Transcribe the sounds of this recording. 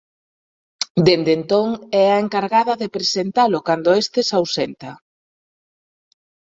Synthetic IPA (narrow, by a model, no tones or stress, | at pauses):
d̪end̪ent̪oŋɛaeŋkaɾɣaðɐðepɾesent̪alʊkand̪ʊest̪ɪsawsent̪ɐ